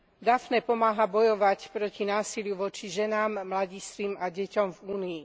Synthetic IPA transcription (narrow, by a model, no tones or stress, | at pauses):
d̪afnɛːpɔmaːɦabɔjɔʋacpɾɔcinaːsilɪjuʋɔt͡ʃiʒɛnaːmːlaɟist̪ʋimaɟɛcɔmvuːniː